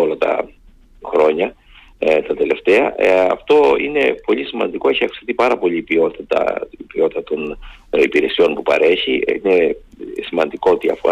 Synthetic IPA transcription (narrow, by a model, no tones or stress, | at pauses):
olɐt̪ɐ̰ | xɾo̞ɲɐ | t̪ɐt̪e̞le̞ft̪e̞ɐɐ̰ft̪o̞ine̞po̞ʎisimɐ̰nd̪iko̞eçiɐksi̥t̪ipɐɾɐpo̞ʎiːpio̞t̪it̪ɐ̰ipio̞t̪ɐt̪o̞n | ipiɾe̞sio̞npupɐ̰ɾe̞çiine | simɐnd̪iko̞t̪iɐ̰fo̞̰